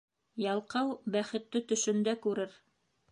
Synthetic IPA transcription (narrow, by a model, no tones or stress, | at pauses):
jɑlˠqɑwbæχɘ̆t̪ːɘt̪ɵ̆ʃɵ̆nd̪ækʉɾɘɾ